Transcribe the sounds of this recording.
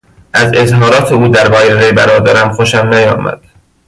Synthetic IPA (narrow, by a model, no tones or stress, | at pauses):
ʔæzezhɒːɾɒːt̪ʰeuːd̪æɾbɒːjeɣejbæɾɒːd̪æɾæmxoʃæmnæjɒ̰ːmæ̰d̪̥